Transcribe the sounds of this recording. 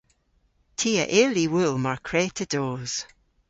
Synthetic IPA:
tʰiːə̰ʔɪliwʊlˠmaɹkʰɹ̥eːtʰəd̥oːz̥

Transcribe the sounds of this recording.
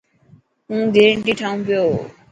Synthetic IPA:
ũɡeɾeɳʈiʈʰaũmpeo

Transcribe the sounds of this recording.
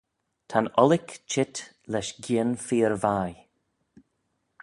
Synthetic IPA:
t̪ʰanɔlɪkt͡ʃʰɪt | lɛʃɡiənfiːɹvaːj

